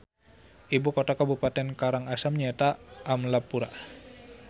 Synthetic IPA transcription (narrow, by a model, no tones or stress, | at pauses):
ʔibukot̪akabupat̪ɛnkaɾaŋasamɲat̪aʔːmlapːuɾa̰